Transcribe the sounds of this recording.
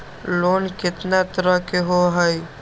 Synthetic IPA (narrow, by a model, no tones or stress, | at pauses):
loːnkɪt̪nat̪əɾəɦkeɦoɦəj